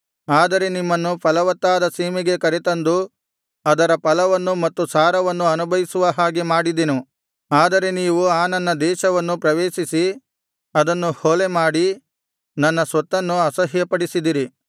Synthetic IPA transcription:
aːd̪ɐɾe̞nimːɐnːupɐlɐʋɐt̪ːaːd̪ɐsiːmiɡe̞kɐɾet̪ɐnd̪u | ɐd̪ɐɾɐpɐlɐʋɐnːumɐt̪ːusaːɾɐʋɐnːuɐnubʱɐʋisuʋɐɦaːɡemaːɽid̪enu | aːd̪ɐɾe̞niːʋuaːnɐnːɐd̪ɛːʃɐʋɐnːupɾɐʋeːʃisi | ɐd̪ɐnːuhoːle̞maːɽi | nɐnːɐsʋɐt̪ːɐnːuɐsɐɦjɐpɐɽisid̪iɾi

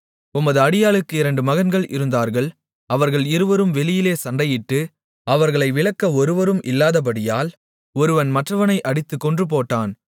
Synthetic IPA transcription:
ʊmːɐðɯɐɽɪjaːɭɯkːɯɪɾɐɳɖɯmɐɣɐnɡɐɭʔɪ̰ɾɯnd̪aːɾɣɐɭ | ɐʋɐɾɣɐɭɪɾɯʋɐɾɯmʋɛɭɪjɪleːsɐɳɖɐjɪʈːɯ | ɐʋɐɾɣɐɭɐɪʋɪɭɐkːɐɔɾɯʋɐɾɯmʔɪlːaːðɐp̬ɐɽɪjaːl | ɔɾɯʋɐnmɐʈrɐʋɐnɐɪʔɐɽɪt̪ːɯkːɔndrɯp̬oːʈːaːn

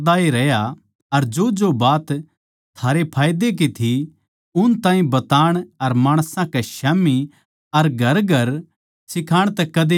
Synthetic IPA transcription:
d̪aːeɾɛja | ɐɾd͡ʒod͡ʒobaːt̪ | t̪ʰːaːɾepʰaːjd̪ek̬it̪ʰi | ʊnt̪ãːɦĩbɐt̪aːɽ̃ɐɾmaːɽ̃sãkeʃaːmi | ɐɾɡʱɐɾɡʱɐɾ | sɪkʰaːɽ̃t̪ɛkɐd̪e

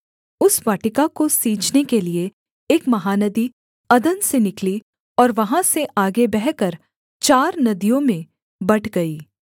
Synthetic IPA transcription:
ʊsʋaːʈɪkakosiːt͡ʃnekelieː | kmɐɦaːnɐd̪i | ɐd̪ənsenɪkli | ɔːɾʋɐɦãseʔaːɡebɛɦkəɾ | t͡ʃaːɾnɐd̪ijõmẽ | bɐʈʰɡɐiː

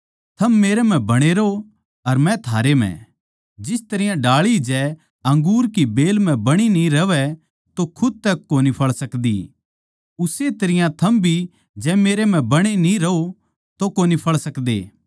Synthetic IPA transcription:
t̪ʰɐmːeːɾɛm̤ɛ̃bɐɽ̃eɾo | ɐɾmɛ̃t̪ʰaːɾem̤ɛ̰̃ | d͡ʒɪst̪ɐɾɪjãɖaːɭid͡ʒɛː | ɐ̃ŋɡuːɾk̬ibeːlm̤ɛ̃bɐɽ̃inĩɾɐʋɛ | t̪okʰʊd̪̚t̪ɛkːoːnipʰɐɭsɐkd̪ḭ | ʊset̪ɐɾɪjãt̪ʰɐmbʱi | d͡ʒɛːmeːɾem̤ɛ̃bɐɽ̃enĩɾɐo | t̪okoːnipʰɐɭsɐkd̪ḛː

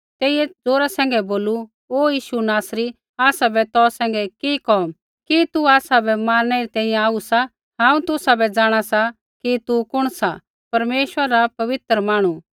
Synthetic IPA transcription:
t̪eːiɛd͡zoːɾasɛ̃ːŋɡɛboːlu | oːjiːʃunaːsɾi | aːsabɛt̪ɔːsɛ̃ːŋɡɛkikɔːm | kit̪uaːsabɛmaːnːɛɾit̪ɛ̃ːĩjɛ̃aːusa | ɦãːũt̪ʊsabɛd͡zaːɽ̃asa | kit̪ukʊɽ̃sa | pɐɾmeːʃwəɾapɐʋɪt̪ɾəmaːɽ̃u

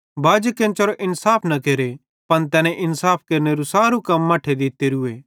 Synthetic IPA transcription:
bʱaːd͡ʒkɛ̃ːnt͡ʃɐɾoʔɪnsaːpʰnɐkeːɾe | pɐnt̪̬ɛːnẽʔɪnsaːpʰkeːɾneɾusaːɾukɐmːɐʈʰed̪ɪt̪ːeɾʊeː

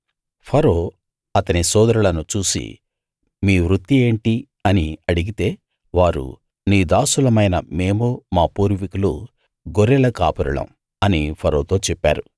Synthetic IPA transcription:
pʰɐɾo̞ː | ɐt̪ɐnisɔːd̪ɐɾuɭɐnut͡ʃuːsḭ | miːʋɾut̪ːie̞ːɳʈi | ɐniɐɽiɡit̪e̞ː | ʋaːɾṵ | niːd̪aːsulɐmɐjnɐ̰me̞ːmoːmaːpuːɾʋikulṵ | ɡoɾɛlɐkaːpɐɾuɭɐ̰m | ɐnipʰɐɾoːt̪o̞ːt͡ʃɛpːa̰ːɾu

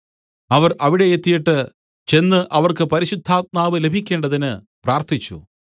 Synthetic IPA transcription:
ɐʋɐrɐʋiɽe̞et̪ːijiʈːɨ | t͡ɕe̞nːɨʔɐʋɐrkɨpɐɾiɕud̪ʱːaːt̪̚maːʋɨle̞bʱikʲːe̞ːɳɖɐðinɨ | praːrt̪ʰit͡ɕːṵ

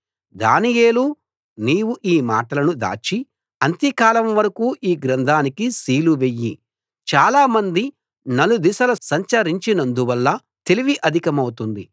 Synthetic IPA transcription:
d̪a̰ːnijeːlu | niːwuʔiːmaːʈɐlɐnud̪a̰ːt͡ʃi | ɐnt̪ikaːlɐmʋɐɾɐkuːʔiːɡɾɐnd̪ʱaːnikisiːluʋe̞jːi | t͡ʃaːlaːmɐnd̪i | nɐlud̪isɐlɐsɐɲt͡ʃɐɾiɲt͡ʃinɐnd̪uʋɐlːɐ | t̪e̞liʋiʔɐd̪ʱikɐmɐwut̪und̪i

